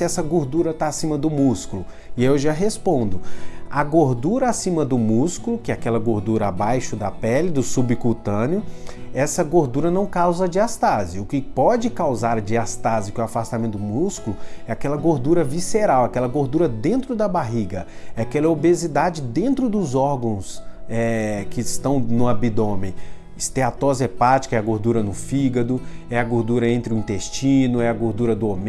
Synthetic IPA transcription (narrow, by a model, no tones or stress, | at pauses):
ɪɛsɐɡoɾd̪uɾɐt̪aasĩmɐd̪ʊmuskulʊ | ɪewʒaɦespõnd̪ʊaɡoɾd̪uɾɐasĩmɐd̪ʊmuskulʊkɪɛakɛlɐɡoɾd̪uɾɐabajʃʊd̪ɐpɛlɪd̪ʊsubikut̪ɐ̃njʊɛsɐɡoɾd̪uɾɐnɐ̃w̃kawzɐd͡ʒiast̪azɪʊkɪpɔd͡ʒɪkawzaɾɐd͡ʒiast̪azɪʊkɛwafast̪amẽnt̪ʊd̪ʊmuskulʊɛakɛlɐɡoɾd̪uɾɐviseɾawakɛlɐɡoɾd̪uɾɐd̪ẽnt̪ɾʊd̪ɐbaɦiɡɐ | ɛakɛlɐobezid̪ad͡ʒɪd̪ẽnt̪ɾʊd̪ʊzɔɾɡɐ̃w̃sɛkɪst̪ɐ̃w̃nʊabid̪õmẽ | ɪst̪eat̪ɔzepat͡ʃi̥kɐɛɐɡoɾd̪uɾɐnʊfiɡɐd̪ʊɛɐɡoɾd̪uɾɐẽnt̪ɾɪʊĩnt̪est͡ʃĩnʊɛɐɡoɾd̪uɾɐd̪ʊom